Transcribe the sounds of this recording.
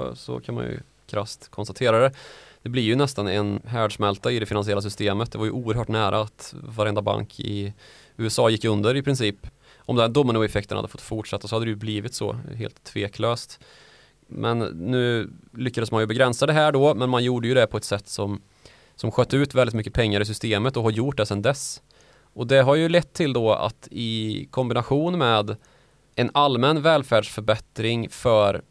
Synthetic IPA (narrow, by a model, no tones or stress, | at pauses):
sɔ̰kʰanma̰njɵ̰ | kʰɾast̪kʰɔnst̪at̪ʰeːɾad̪ɛd̪̥ɛblɪɾjɵnɛst̪anɛnɦæːɖʂmɛlt̪aɪd̪ɛfɪnansɪɛlːas̬ʏst̪eːmət̪̚d̪ɛvaɾjɵʔuːəɾɦœːʈnæːɾʔa̰ːt̪vaɾɛnd̪aba̰ŋkʰɪ̰ | ʉ̟ːɛsɑːjɪkːɵnd̪əɾɪpʰɾɪnsiːp | ʔɔmd̪ɛnd̪ʊmːənuːɛfɛk̚t̪ənaha̰d̪ːəfɔ̥̰t̪ːfʊʈʂat̪ːas̬ɔhad̪ːɾɛjɵbliːvɪt̪sɔ̰ɦḛːlt̪ʰːveːkløːst̪ | mʔɛ̰nːʉ̟ːlʏkːad̪əsmanjəbɛɡɾɛnsad̪ɛɦæːɖɔmɛnmanjuːɖəjɵd̪ɛpʰɔɛt̪sɛt̪ːsɔm | sɔmɧœːt̪ːəʉ̟ːt̪vɛld̪ɪt̪mʏkːəpʰɛŋːaɾɪs̬ʏst̪eːmət̪ɔɦaɾjʊʈ̚ːd̪ɛsɛnd̪ɛs | ʔɔd̪ɛɦaɾjɵlɛt̪ʰːɪld̪ɔa̰t̪ɪkʰɔmbɪnaɧuːnmɛːd̪ | ɛnalmɛnvɛːlfæːɖʂfœɾbɛt̪ɾɪŋfœɾ